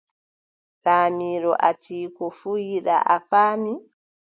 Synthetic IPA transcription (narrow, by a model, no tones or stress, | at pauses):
laːmiːɾɔʔatiːkɔfuːjiɗa̰ʔafaːmi